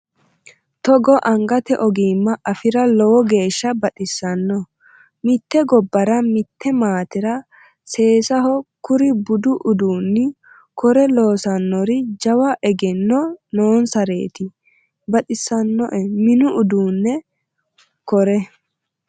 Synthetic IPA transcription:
t̪ɔɡɔʔɐŋɡɐt̪ɛʔɔɡiːmːɐʔɐfɪɾɐlɔwɔɡe̞ːʃːɐbɐt̪ʼɪsːɐnːɔ | mɪt̪ːɛɡɔbːɐɾɐmɪt̪ʰːɛmaːt̪ɪɾɐ | se̞ːsɐɦɔkʊɾɪbʊd̪ʊʔʊd̪uːnːɪ | kɔɾɛlo̞ːsɐnːɔɾɪd͡ʒɐwɐʔɛɡɛnːɔnoːnsɐɾe̞ːt̪ɪ | bɐt̪ʼɪsːɐnːɔʔɛmɪnʊʔʊd̪uːnːɛ | kɔɾɛ

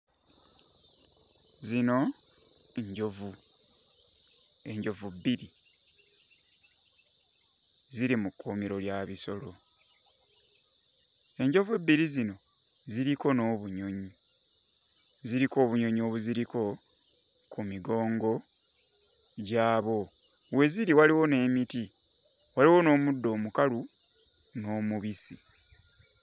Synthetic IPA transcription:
zino̞ | ɲɟovu | e̞ɲɟo̞vubːiɾi | ziɾimukːomiɾo̞ljaβiso̞lo̞ | e̞ɲɟo̞vebːiɾizino̞ | ziɾiko̞no̞ːβuɲo̞ɲi | ziɾiko̞ːβuɲo̞ɲo̞ːβuziɾiko̞ | kumiɡo̞ːŋɡo̞ | ɟaːβo̞ | we̞ziɾiwaliwo̞ne̞ːmiti | waliwo̞no̞ːmudːo̞ːmukalu | no̞ːmuβisi

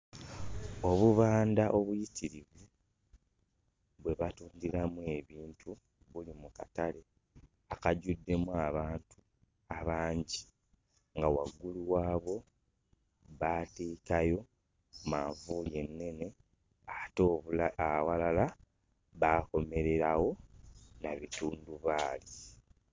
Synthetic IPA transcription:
o̞βuβaːndaʔo̞βujitiɾiβu | βwe̞βatuːndiɾamue̞βiːntʰu | βulimukatale̞ | akaɟudːe̞muaβaːntʰu̥ | aβaːɲɟi | ŋɡawaɡːuluwaːβo̞ | βateːkajo̞ | kmaːɱvuje̞nːe̞ne̞ | ato | walala | βaːko̞me̞ɾe̞ɾawo̞naβituːnduβaːli

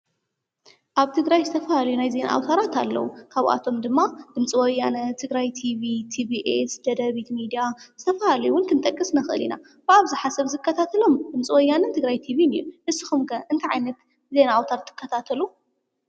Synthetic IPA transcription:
ʔaβt̪ʰɨɡɾajzɨt̪ʰɐfɐhalɐjunajze̞na̰ʔa̰wt̪ʰaɾat̪ʰa̰lːɐ̰wukʰaβʔa̰t̪ʰo̞md̪ɨmːad̪̥ɨmt͡sʼiwɔjːanɐt̪ʰɨɡɾajt̪ʰiβit̪ʰibiʔesd̪ɐd̪ɐβit̪mid̪ijaz̥ɨt̪ʰɐfɐhalɐjuwʊnk̪ʰɨnt̪ʼɐkʼːɨsnɐxɨʔɨlḭna̰ | b̥ɨaβzɨħasɐβzɨkːɐt̪ʰat̪ʰɐlo̞md̪ɨmt͡sʼiwɔjːanɐnt̪ʰɨɡɾajt̪ʰiβinḭunɨsːɨxumkʰɐʔɨnt̪ʰaʕajnɐt̪ | ze̞naawt̪ʰaɾt̪ʰːɨ̥kʰːɐt̪ʰat̪ʰɐlu

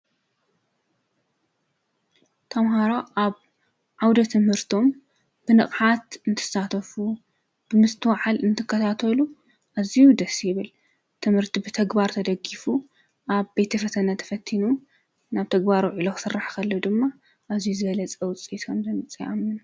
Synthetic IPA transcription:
t̪ʰɐmɦaɾaʔaβ | ʕawd̪ɐt̪ʰɨmhɨɾt̪ʰo̞m | b̥ɨnɨχʼħat̪ɨnt̪ʰɨ̥sat̪ʰɐfu | b̥ɨmɨst̪ʰɨwaʕalɨnt̪ʰɨkʰːɐt̪ʰat̪ʰɐlu | ʔazijud̪ɐsjɪβɨl | t̪ʰɨmhɨɾt̪ʰibɨt̪ʰɐɡbaɾt̪ʰɐd̪ɐɡifu | ʔaβbet̪ʰɐfɐt̪ʰɐnat̪ʰɐ̥fɐt̪ʰːinum | naβt̪ʰɐɡbaɾwʕilokɨ̥sɨrːaħkʰɐlːod̪ɨmːa | ʔazijuzɨβɐlɐt͡sʼɐwt͡sʼit̪ʰond̪ɐnɨt͡sʼia̰mːɨn

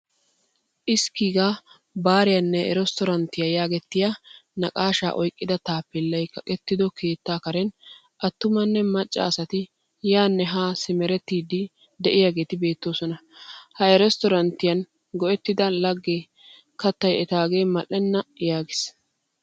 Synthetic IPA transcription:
ʔɪskiːɡa | baːɾɪjɐnːɛɛɾɛst̪ɔɾɐnt̪ɪjajaːɡɛt̪ːɪjanɐkʼaːʃa̰ːʔɔjkʼːɪd̪ɐt̪aːpːɪlːɐjkːɐkʼɛt̪ːɪd̪ɔkʰe̞ːt̪ːaːkɐɾɛn | ʔɐt̪ːʊmɐnːɛmɐt͡ʃʼːa̰ːsɐt̪ɪ | jaːnːɛɦaːsɪmɛɾɛt̪ːiːd̪ɪ | d̪ɛʔɪjaɡe̞ːt̪ɪbe̞ːt̪ːoːsɔnɐhɐɛɾɛst̪ɔɾɐnt̪ɪjɐn | ɡɔʔɛt̪ːɪd̪ɐlɐɡːɛ | kɐt̪ːɐjɛt̪aːɡe̞ːmɐʔːɛnːɐjaːɡɪs

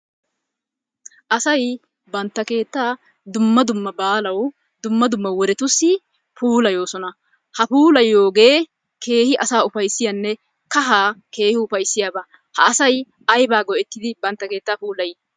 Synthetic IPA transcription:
ʔɐsɐj | bɐnt̪ːɐke̞ːt̪ːaː | d̪ʊmːɐd̪ʊmːɐbaːlɐw | d̪ʊmːɐd̪ʊmːɐwɔɾɛt̪ʊsːɪ | puːlɐjo̞ːsɔnɐ | hɐpuːlɐjːo̞ːɡe̞ː | kʰe̞ːhɪʔɐsaːʊfɐjsːɪjɐnːɛ | kɐɦaːke̞ːhɪʊfɐjsːɪjaːbɐ | hɐːsɐj | ɐjbaːɡɔɛt̪ːɪd̪ɪbɐnt̪ːɐke̞ːt̪ːaːpuːlɐj

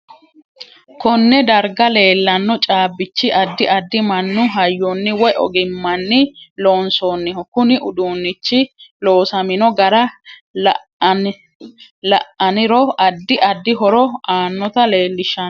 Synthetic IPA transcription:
kɔnːɛd̪ɐɾɡɐle̞ːlːɐnːɔt͡ʃʼaːbːɪt͡ʃːɪʔɐd̪ːɪʔɐd̪ːɪmɐnːʊɦɐjːɔnːɪwɔjʔɔ̰ɡɪmːɐnːɪloːnsoːnːɪhɔkʊnɪʔʊd̪uːnːɪt͡ʃːɪlo̞ːsɐmɪnɔɡɐɾɐlɐ | lɐʔɐnɪɾɔɐd̪ːɪʔɐd̪ːɪɦɔɾɔaːnːɔt̪ɐle̞ːlːɪʃːɐn

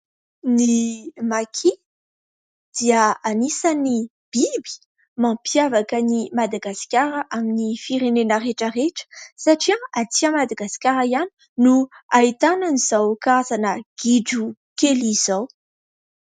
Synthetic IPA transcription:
nimakʰi | d̪̥iəanisani | b̥ibi̥ | mãpjavakənimad̪aɡaskʲaɾəʔaminifiɾenenəreʈ͡ʂəreʈ͡ʂə̥saʈ͡ʂiaat͡s̪iamad̪aɡasi̥kʲaɾaiani̥ | nuait̪ananiz̥awkazanəɡ̥iɖ͡ʐu | kelizaw

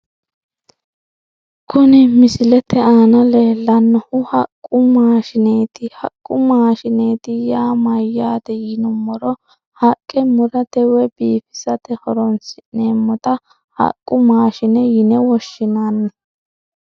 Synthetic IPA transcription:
kʊnɪmɪsɪlɛt̪ɛaːnɐle̞ːlːɐnːɔhʊhɐkʼːʊmaːʃɪneːt̪ɪhɐkʼːʊmaːʃɪneːt̪ɪjaːmɐjːaːt̪ɛjɪnʊmːɔɾɔ | hɐkʼːɛmʊɾɐt̪ɛwɛbiːfɪ̥sɐt̪ɛhɔɾɔnsɪneːmːɔt̪ɐ | hɐ̰kʼːʊmaːʃɪnɛjɪnɛwɔʃːɪnaːnːɐ

